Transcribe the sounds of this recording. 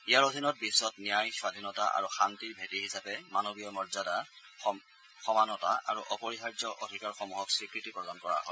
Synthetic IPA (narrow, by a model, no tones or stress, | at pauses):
ijaɹodʱinɔt̚bisːɔtnijajswadʱinɔtaʔa̰ɹuxantiɹbʱetihisapɛmanobijɔmɔɹzada | xɔmanɔta̰ʔa̰ɹuʔɔpɔɹixaɹzɔʔodʱikaɹxɔmuɦɔksɹikɹitipɹɔdankɔɹa̰ɦɔ̰j